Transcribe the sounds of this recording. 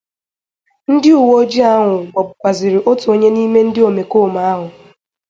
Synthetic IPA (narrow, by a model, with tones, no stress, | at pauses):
n̩˦dɪ˦u˨wo˦d͡ʒi˦a˦ɦʊ˨ɡ͡bɔ˨bʊ˨kʷa˨zɪ˨ɾɪ˨ʔo˦tu˨o˦ɲe˦ni˦me˦n̩˦dɪ˦o˨me˨koː˦˨ma˦a˦ɦʊ˨